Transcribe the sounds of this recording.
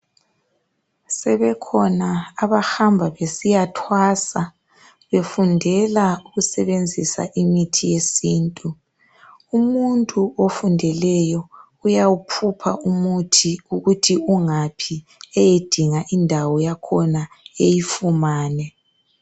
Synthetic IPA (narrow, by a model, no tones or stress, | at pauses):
sɛβɛkʰɔnaːβaxambʱaβesijatʰwaːsa | βefundʱɛlauɣusɛβend͡zʱisa̰ʔimitʰijesiːntʼu | umuntʼuofundʱɛlɛjɔ | ujawupʰupʰaumutʰiuɣutʰiuŋapʰi | ɛjed̥ʱiŋaʔindʱawɔjakʰɔna | ejifumaːnɛ